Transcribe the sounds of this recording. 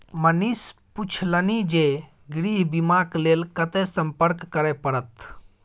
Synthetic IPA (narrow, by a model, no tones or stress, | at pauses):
mənisput͡ʃʰlənid͡ʒe | ɡɾiːɦbimaːkleːlkət̪esəmpəɾkːəɾɛpəɾət̪